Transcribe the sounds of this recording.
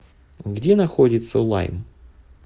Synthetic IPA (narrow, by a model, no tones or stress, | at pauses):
ɣdʲinɐxɔdʲɪt̪sɐlˠɑ̰jm